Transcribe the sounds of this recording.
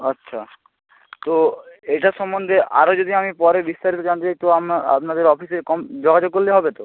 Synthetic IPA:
ʌtːɕʰa | t̪oeʈaʃɔmːond̪ʱea̰ɾod͡ʑod̪ʱiamipɔɾebist̪aɾit̪od͡ʑant̪et͡ɕajt̪oama̰pnad̪eɾɔfisekɔmd͡ʑɔɡʱad͡ʑoɡ̚kolːeɦɔbet̪o

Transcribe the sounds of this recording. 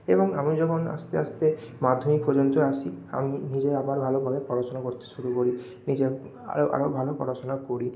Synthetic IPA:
ebɔŋamid͡ʑɔkʰona̰st̪east̪emad̪ʱːomikpʰːod͡ʑont̪ɾoasʰia̰minid͡ʑeabaɾbʱalobʱabepɾɔɽat͡ɕonakoɾt̪e̥ʃuɾukoɾi | nid͡ʑe | a̰oʔa̰ɾobʱalopɾɔ̰ɽat͡ɕonakoɾi

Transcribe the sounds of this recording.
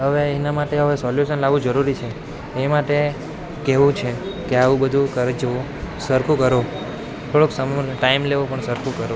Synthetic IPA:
ɦəʋeenamaʈeɦəʋesɔljuʃənlaʋũd͡ʒəɾuɾit͡ʃʰeː | maʈe | keʋũt͡ʃʰekeaʋũbəd̪ʱũkəɾd͡ʒʋõ | səɾkʰukəɾo | t̪ʰoɭoksəmʈaimleʋõpəɳsəɾkʰũkəɾo

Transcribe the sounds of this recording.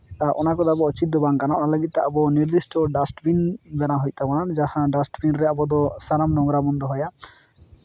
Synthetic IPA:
aʔɔ̰nakɔd̪abɔɔt͡ʃit̪̚ːɔbaŋkanaalaɡit̪̚t̪aʔabɔniɾd̪isʈɔɖasʈbinbɛnaɦɔjc̪̚t̪abɔnand͡ʒahãɖasʈbinɾɛabɔd̪ɔsaɾamnɔŋɡɾabɔnd̪ɔɦɔja

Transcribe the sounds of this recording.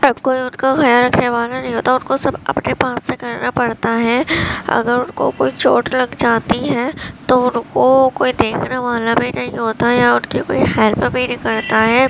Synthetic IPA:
əbkoːiʊnkaɡɐjaɾɐkʰneʋaːlanɐɦĩɦoːt̪aʊnkosɐbɐ̰pnepaːsːekɐɾnapɐɽt̪aɦɛːɐ̰ɡəɾʊnko̰koːit͡ʃoːʈlɐɡd͡ʒaːt̪iɦɛːt̪oʊnkokoːid̪eːkʰnaʋaːlabʱinɐɦĩɦoːt̪aɦɛjaʊnkeko̰ːiɦɛːlpbʱinɪkɐɽt̪aɦɛː

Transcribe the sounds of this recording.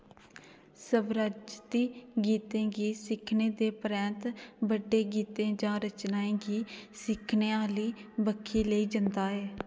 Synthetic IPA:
səbɾaːd͡ʒt̪iːɡiːt̪ẽːɡiːsɪkʰneːd̪eːpəɾɛ̃ːnt̪bəɖːeːɡiːt̪ẽːd͡ʒãːɾət͡ʃnaːẽːɡiːsɪkʰnẽːaːliːbəkʰːiːləiːd͡ʒənd̪aːɦɛː

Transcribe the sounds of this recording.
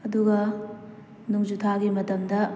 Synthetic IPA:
ɐduɡɐ | nuŋd͡ʒutʰaɡimɐtɐmdɐ

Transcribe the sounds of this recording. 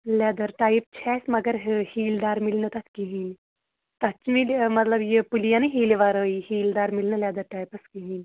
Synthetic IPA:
lʲaːd̪ɐɾʈaːjp̚t͡ʃʰɛːsmɐɡəɾɦəhiːld̪aːɾmilnət̪ɐt̪kiɦin | t̪ɐt͡ʃmilmɐt̪lɐbjepulijanɨɦiːliʋaɾəihiːld̪aːɾmilnəlʲad̪ɐɾʈaːjpɐskiɦiːnʲ

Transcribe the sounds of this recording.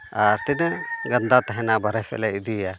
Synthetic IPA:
aɾt̪inɛɡand̪at̪aɦɛnabaɾɛfʰɛ̰lɛid̪ija

